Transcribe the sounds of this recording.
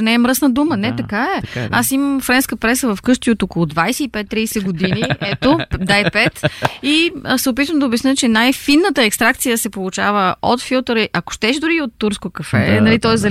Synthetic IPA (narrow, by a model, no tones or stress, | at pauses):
nɛːmɾɤsnəd̪umənɛt̪ɐkaɛasimɐmfɾɛnskəpɾɛsəvɐfkɤʃt̪iot̪okolˠʊd̪vajsɛipɛt̪ːɾijsɛɡod̪iniʔɛt̪od̪ajpɛt̪isɛʊp̬it̪vəmd̪ɐobɛsnət͡ʃɛnajfinːət̪əɛkst̪ɾak̚t̪sijəsɛpolˠut͡ʃavəot̪filˠt̪əɾʔɐko̥ʃt̪ɛʃd̪ʊɾiot̪ːuɾskokɐfɛ̰nɐlit̪ɔɛzɐ